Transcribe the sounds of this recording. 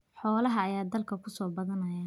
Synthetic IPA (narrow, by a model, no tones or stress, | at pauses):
ħɔːlɐɦɐːjaːd̪ɐlkʰɐkʰʊsɔːbɐðɐnɐja